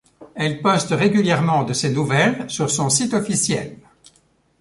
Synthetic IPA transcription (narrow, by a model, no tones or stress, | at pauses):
ɛlpɔst̪ʁeɡʲyljɛʁmɑ̃d̪əsenuvɛlsyʁsɔ̃sit̪ɔfisjɛ̰l